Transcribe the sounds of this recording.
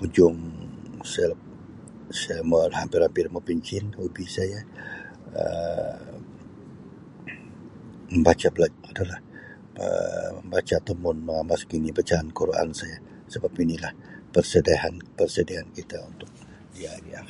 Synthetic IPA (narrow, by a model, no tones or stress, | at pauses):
pud͡ʒʊŋsəl̚ | sməhampɪrhampɪrməpiɲt͡ʃɪnhubisaja | ə̰ | məmbat͡ʃablaadalah | ə̰məmbat͡ʃat̪əmʊnmaŋamaskinibat͡ʃaːnkoɾoa̰nsaja | səbapinilah | pərsədaɦanpərsədiaɦankit̪aunt̪ʊk̚ | jaɾia